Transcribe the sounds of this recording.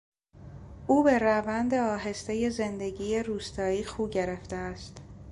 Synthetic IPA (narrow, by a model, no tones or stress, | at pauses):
ʔuːbe̞ɾævænd̪e̞ɒːɦe̞st̪eje̞ze̞nd̪eɟiːje̞ɾuːst̪ɒːiːxuːɟe̞ɾeft̪eæst̪